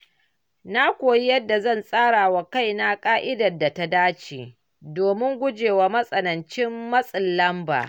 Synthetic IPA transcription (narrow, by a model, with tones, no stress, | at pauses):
na˦kʷoː˨ji˦jɐ˦dːa˨zɐ˦˨nsʼaː˦ɽa˨wa˨ka˦˨jna˦kʼaː˦ʔɪ˦dɐ˨dːa˨ta˦daː˦t͡ʃḛː˨ | doː˨mɪ˦ŋɡʷʊ˦d͡ʒeː˨waː˨mɐ˦sʼɐ˨nɐ˨nt͡ʃɪ˦mːɐ˦sʼɪ˨lːɐ˦mba̰ː˨